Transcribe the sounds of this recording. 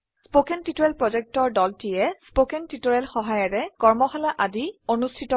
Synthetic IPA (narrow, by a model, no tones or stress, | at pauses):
spokɛntitoɹɛlpɹɔzɛk̚tɔɹdɔltijɛspokɛntitoɹɛlxɔɦajɔɹɛkɔɹmɔxalaʔadionustʰitɔ